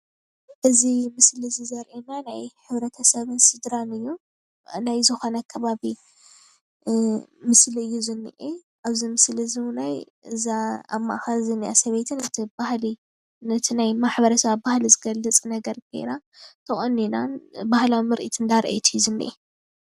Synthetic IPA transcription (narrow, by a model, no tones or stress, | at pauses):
ʔɨzimɨslɨzizɐɾʔenanajħɨβɾɐt̪ʰɐsɐβɨnsɨd̪ɾanɨjːu | najzɨxo̞nɐkʰɐβaβi | mɨsliɨjːuzɨnːḭʔe | ʔaβzimɨslizinaj | ɨzaa̰mːa̰ʔxɐzɨnːiʔasɐβet̪ʰɨnɨt̪ʰibahli | nɨt̪ʰinajmaħbɐɾɐsɐβabahlizɨɡɐlːɨt͡sʼnɐɡɐɾkʰɐ̰jɾat̪ʰɐχʼonːinanbahlawmɨɾʔit̪ʰɨnd̪aɾʔḛt̪ʰijːuzɨnːḭʔe